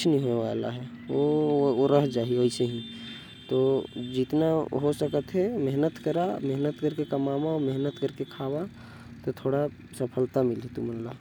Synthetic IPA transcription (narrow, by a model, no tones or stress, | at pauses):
kt͡ʃʰnəĩɦoeʋa̰la̰ɦɛooɾəɦd͡ʒaːɦieoiseɦĩ | t̪od͡ʒɪt̪naɦosəkət̪ɦɛmɛɦnət̪kəɾamɛɦnət̪kəɾkekəmaːmaɔmeɦnət̪kəɾkekʰaːba | t̪ot̪ʰoːɽa | səpʰəlt̪amɪlit̪umənla